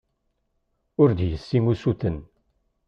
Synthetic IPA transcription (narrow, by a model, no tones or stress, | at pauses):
ʊɾd̪jəsːimusuθən